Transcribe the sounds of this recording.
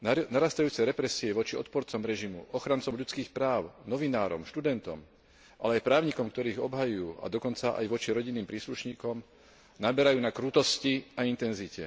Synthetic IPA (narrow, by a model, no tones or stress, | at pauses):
naɾast̪ajuːt͡sɛɾɛpɾɛsiɛʋɔt͡ʃiɔt̪̚pɔɾt͡sɔmɾɛʒimuʔɔxɾant͡sɔmʎut͡skiːxpɾaːʊnɔʋinaːɾɔ̰mʃt̪ud̪ɛnt̪ɔ̰m | ʔalɛajpɾaːʊɲikɔmkt̪ɔɾiːɣɔbɦajujuːa̰d̪ɔkɔnt͡saʔa̰jʋɔt͡ʃiɾɔɟinːiːmpɾiːsluʃɲiːkɔm | nabɛɾajuːnakɾut̪ɔsciaint̪ɛnzicɛ̰